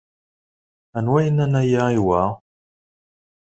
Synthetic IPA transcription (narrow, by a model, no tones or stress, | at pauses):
ænwæjənænæjaiwa